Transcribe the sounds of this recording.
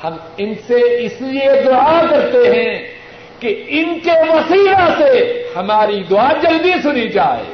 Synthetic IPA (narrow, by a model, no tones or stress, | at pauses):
hɐmɪnseɪslied̪ʊakɐɾt̪eɦɛ̃ | keɪnkeʋɐsiːlasehɐmaːɾid̪ʊaːd͡ʒɐld̪isʊnid͡ʒaːḛː